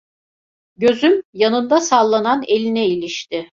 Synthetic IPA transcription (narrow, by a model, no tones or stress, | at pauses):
ɟø̞zymjanɯnd̪asalˠːananelʲinɛilʲiʃt̪ɪ